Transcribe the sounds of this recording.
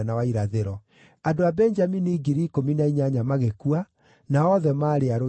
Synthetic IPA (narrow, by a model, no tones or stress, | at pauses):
nawaiɾaðeɾɔ | andoabɛɲd͡ʒaminiɡiɾiːkominaiɲaɲamaɣekua | naɔðɛmaːɾeaɾo